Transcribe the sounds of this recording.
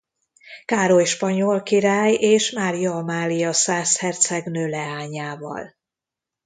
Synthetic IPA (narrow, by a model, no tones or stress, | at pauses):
kaːɾo̞jʃpɒɲolkiɾaːjeːʃmaːɾijɒmaːlijɒsaːshɛrt̪sɛɡnøːlɛaːɲaːvɒ̰l